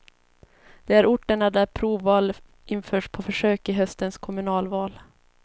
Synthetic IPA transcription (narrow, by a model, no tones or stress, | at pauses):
d̪̥ɛæɾʊʈːəɳad̪æɾpʰɾuːvːɑːl | ʔɪnfœːʂpʰɔfœʂøːkɪɦœst̪ənskʰɔmɵnɑːlvɑːl